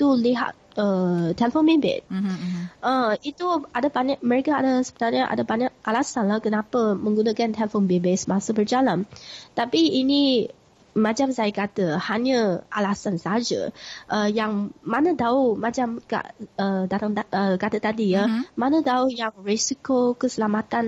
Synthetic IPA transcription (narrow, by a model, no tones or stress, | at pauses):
t̪uliɦa̰t̪̚ət̪ɛlfonbebḛt̪̚ | ʔəit̪uadabaɲaʔməɾekaadəsəbənalɲəʔa̰dəbaɲak̚ʔalasanlahkənapəmə̃ŋɡunãkant̪ʰɛlfonbebesəmãsəbərd͡ʒalant̪apiːnĩ | mãt͡ʃamsajakat̪əhaɲə̃ʔa̰lasansaɦad͡ʒə̰ʔəjaŋmãnə̃daumãd͡ʒamka̰ʔədat̪aŋaəkat̪ət̪adiamãnə̃daujaŋresikokəsəlamat̪an